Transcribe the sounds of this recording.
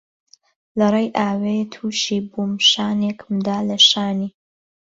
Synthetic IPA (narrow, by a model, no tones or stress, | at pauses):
lɐrˤejʔaːwet̪ʰuːʃiːbumʃaːnekʰmd̪aːlɐʃaːniː